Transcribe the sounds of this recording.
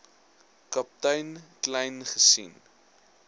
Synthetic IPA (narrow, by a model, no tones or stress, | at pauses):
kɐp̚tɐjnklɛjnχəsḭn